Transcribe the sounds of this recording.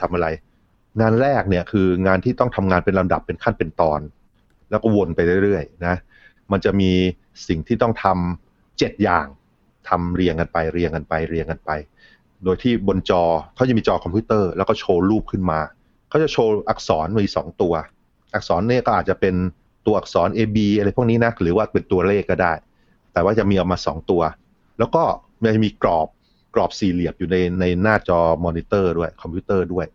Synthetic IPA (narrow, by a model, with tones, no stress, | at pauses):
t̪ʰa˧mʔa˧ɾa˧j | ŋaː˧nɾɛː˥˩k̚ni˥˩ɐkʰɯː˧ŋaː˧nt̪ʰiː˥˩t̪ɔ˥˩ŋt̪ʰa˧mŋaː˧npe˧nla˧mda̰˨˩pːe˧nkʰa˥˩npe˧nt̪ɔː˧n | lɛː˦˥wkɔː˥˩wo˧npa˧jɾɯ˥˩ɾɯ˥˩əjna˦˥ | ma˧nt͡ɕa˨˩miː˧ | si˨˩ŋt̪ʰiː˥˩ɔ˥˩ŋt̪ʰa˧m | t͡ɕe˨˩t̪̚jaː˨˩ŋ | t̪ʰa˧mɾi˧əŋka˧npa˧jɾi˧əŋka˧npa˧jɾi˧əŋka˧npa˧j | doː˧jt̪ʰiː˥˩bo˧nt͡ɕɔː˧kʰa˦˥t͡ɕa˨˩miː˧t͡ɕɔː˧kʰɔ˧mpʰiː˦˥t̪ɤː˥˩lɛː˦˥kɔː˥˩t͡ɕʰoː˧ɾuː˥˩p̚kʰɯ˥˩nmaː˧ | kʰa˦˥˩t͡ɕa˨˩t͡ɕʰoː˧ʔa˨˩k̚sɔː˩˦nmi˧iː˧˥sɔ̰ː˩˦ŋt̪u˧ɐ | ʔa˨˩k̚sɔː˩˦nːi˥˩kɔː˥˩ʔaː˨˩t̪t͡ɕa˨˩pe˧n | t̪u˧ɐʔk̚sɔː˩˦nʔeː˧biː˧ʔa˧ɾa˧jpʰu˥˩kniː˦˥na˦˥ɾɯː˩˦waː˥˩pe˨˩nt̪u˧ɐleː˥˩kːɔː˥˩daː˥˩j | t̪ɛː˨˩waː˥˩t͡ɕa˨˩ʔmiː˧ʔa˧˩maː˧sɔ̰˩˦ŋt̪u˧ɐ | lɛː˦˥wkɔː˥˩m˧˥a˨˩t͡ɕmiː˧kɾɔː˨˩p̚ | klɔː˨˩p̚si˨˩li˨˩əp̚juː˨˩na˧jna˧jnaː˥˩t͡ɕɔː˧mɔː˧niː˦˥t̪ɤː˥˩du˥˩əjkʰɔ˧mpʰiː˦˥t̪ɤː˥˩du˥˩əj